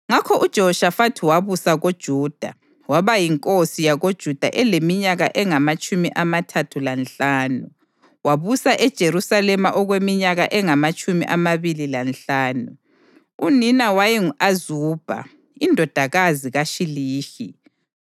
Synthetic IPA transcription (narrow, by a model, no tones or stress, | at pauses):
ŋakʰɔʔud̥ʒ̥ʱɔɔʃafatʰiwaβusaɣod̥ʒ̥ʱuːd̥ʱa̰ | waβajiŋkʼosijaɣod̥ʒ̥ʱud̥ʱa̰ʔɛlemiɲaɣaʔɛŋamat͡ʃʼumiʔamatʰatʰulanɬaːnu | waβusaʔɛd̥ʒ̥ʱeɾusalɛmaʔɔɣwemiɲaɣaʔɛŋamat͡ʃʼumḭʔamaβililanɬaːnu | uninawajiŋazuːb̥ʱa̰ | indʱɔd̥ʱaɣaziɣaʃiliːʃi